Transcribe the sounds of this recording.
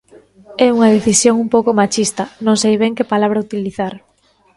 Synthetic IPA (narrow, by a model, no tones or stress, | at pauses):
ɛuŋɐðeθisjoŋumpowkomat͡ʃist̪ɐnõŋsejβɛŋkɪpalaβ̞ɾɐut̪iliθaɾ